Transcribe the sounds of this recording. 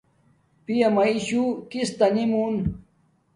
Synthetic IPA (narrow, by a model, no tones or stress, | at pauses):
pijɐmɐiɕukist̪ɐnimun